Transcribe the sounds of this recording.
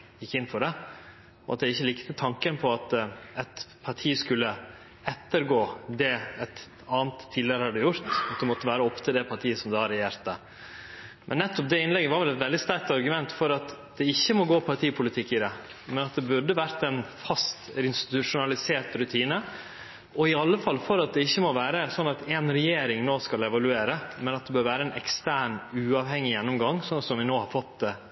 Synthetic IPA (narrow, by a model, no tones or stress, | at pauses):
jɪkːɪnːfɔɖɛ | ɔɑt̪̚d̪ɛɪçːəlɪkt̪ət̪ʰɑŋkənpʰɔɑt̪ɛt̪pʰɑʈʰiːskʉlːə | ɛt̪ːəɾɡoːd̪ɛɛt̪ | ɑːnt̪ʰːiːlɪəɾəhɑɖɛjʊɾt̪ɑt̪̚d̪ɛmɔt̪ːəʋæːɾəɔpːt̪ʰɪd̪ɛpʰɑʈʰiːəsɔmd̪ɑːhɑɾɛjeːɾt̪ə | mʔɛnːɛt̪ːɔp̚d̪ɛɪnlɛɡəʋɑɾʋɛlɛt̪ʋɛld̪ɪst̪æɾk̚t̪ɑɾɡʉmɛnt̪fɔɾɑt̪d̪̥ɛɪçːəmɔɡoːpʰɑɾʈʰiːpʰʊlɪt̪ʰɪkːɪd̪ɛ | mɛnɑt̪̚d̪ɛbʉɖəʋæɾt̪ɛnfɑst̪ɪnst̪ɪ̥t̪ʉʂʊnɑlɪseːʈɾʉt̪ʰiːnə | ɔɪɑlːəfɑlːfɔɾɑt̪̚d̪ɛɪçːəmɔʋæːɾəsɔnːɑt̪ɛnɾɛjeːɾɪŋnoːskɑlɛʋɑlʉeːɾəmɛnɑt̪̚d̪ɛbøːɾʋæːɾəɛnɛkst̪æːɳʉːɑːʋhɛŋːɪjɛnːɔmɡɑŋːsɔnɑt̪sɔmʋɪnoːhɑɾfɔt̪ːd̪ɛ